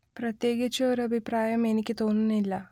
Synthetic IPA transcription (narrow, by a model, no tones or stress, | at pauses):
prɐt̪je̞ːɡit͡ɕːɐoɾɐbʱipɾaːjɐme̞nikʲːɨt̪o̞ːnːunːilːɐ